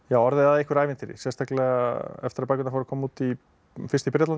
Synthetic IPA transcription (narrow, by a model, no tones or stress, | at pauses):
jaːwɔɾðɪaðihkvʏɾajvɪnt̪ɪɾɪ̰sɛnst̪aklɛɣaɛ̰ft̪ɪɾaɾpajkʏnafoɾkʰɔːmut̪i | fɪst̪ɪpɾɛːt̪lan